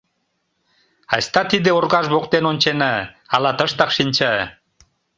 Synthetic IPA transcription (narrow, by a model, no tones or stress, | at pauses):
ɑsʲt̪ɑt̪id̪eorɣɑʒβoqt̪enonʲt͡ɕenə | ɑlɑt̪ə̆ʃt̪ɑqʃinʲt͡ɕə